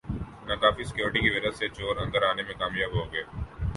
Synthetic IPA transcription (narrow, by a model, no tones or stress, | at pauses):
nakaːfisɪ̥kjoːɾɪʈikiʋɪd̪əsset͡ʃoːɾɐ̃nd̪əɾaːnemẽkaːmjaːbɦoɡɐeː